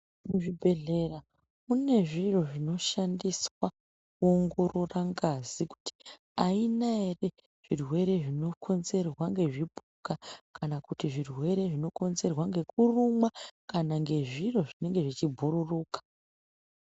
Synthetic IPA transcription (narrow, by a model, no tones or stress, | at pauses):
muʐibʱe̞ɮe̞ra | mune̞ʐiro̞ʐino̞ʃandiswa | kuoŋɡo̞ro̞raŋɡaziku̥ti̥ | ainaere̞ | ʐ̥irwe̞ɾe̞ʐino̞kʰo̞nze̞rwaŋɡe̞ʐibʱukakʰanakutiʐirwe̞ɾe̞ʐino̞ko̞nze̞rwaŋɡe̞kurumwakanaŋɡe̞ʐiro̞ʐine̞ŋɡe̞ʐit͡ʃibʱuɾuruːkḁ